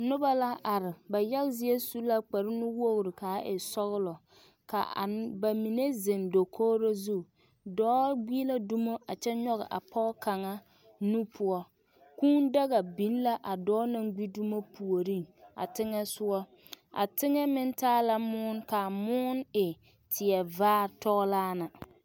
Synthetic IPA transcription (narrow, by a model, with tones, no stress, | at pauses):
nʊ˦ba˦la˦a˨ɾɪ˨ba˨jɛ˦lzɪ˦e˦su˦la˦k͡pa˨ɾɪ˦nʊ˦wo˦ɣɾɪ˨ka˨˦ʔɪ˨sɔ˦ɣʊ˦lɔ˨ | ka̰˨ba˨mi˨ne˦zɪ˨ndo˨kʰoː˦ɾo˦zu˦ | dɔː˦ɡʷi˦la˦du˦mo˦ʔa˨t͡ʃɛ˦ɲɔ˦ɣɪ̰˨ʔa˨pʰɔ˦ka˨ŋa˦ | nu˦pʰʊ˦ɔ˦ | kuː˦nda˦ɣa˨bi˨˦n˦la˦ʔa˨dɔː˦na˦ŋɡi˦du˦mo˦pu˨o˨ɾi˦˨ŋa̰˨tɪ˦ŋɛ˦sʊ˦ɔ˦ | a̰˨tɪ˦ŋɛ˦mɪ˦ntaː˦la˦mʊː˦nka˨mʊː˦nɪ˨ | tʰɪ˨ɛ˨vaː˦tɔ˦ɣlaː˦na˨